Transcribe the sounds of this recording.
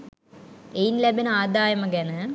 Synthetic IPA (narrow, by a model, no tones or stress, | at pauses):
ejnlɐbɐnaːd̪aːjɐmɐɡɐnɐ